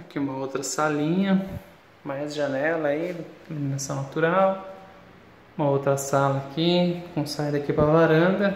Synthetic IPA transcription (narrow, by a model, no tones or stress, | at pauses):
kʲiũmɐowt̪ɾɐsalĩɲɐ | majzʒɐnɛlɐielĩmĩnasɐ̃w̃nat̪uɾaw | ũmɐowt̪ɾɐsalɐːkikõsajd̪ɐkipɾɐlaɾɐ̃d̪ɐ